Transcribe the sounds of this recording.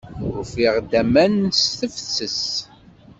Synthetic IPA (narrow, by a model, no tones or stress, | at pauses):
ʊfiʁd̪æmænsθəfθːəs